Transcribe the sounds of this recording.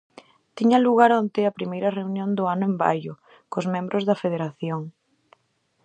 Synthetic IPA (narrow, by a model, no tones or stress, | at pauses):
t̪iɲɐluɣaɾont̪ɪɐpɾimejɾɐreunjond̪ʊanʊemba̰jʊ | kʊzmẽmbɾʊzðɐfeðeɾaθjoŋ